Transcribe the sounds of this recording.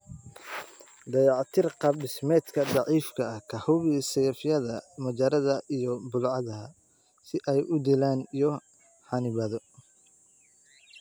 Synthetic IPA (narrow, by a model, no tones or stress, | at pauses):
d̪ɑjɑʕt̪ʰɪrqɑbɖɪsmɛːd̪kʰɐdɑʕiːfkʰɐɐhkʰɐhʊβisɛjɐfɪjɐðɐmɐd͡ʒɐɾɐðɐijɔbʊlʕɑðɐɦɐ | sɪʔɛjʔʊd̪ilaːnijɔ | ħɑnɪβɐðɔ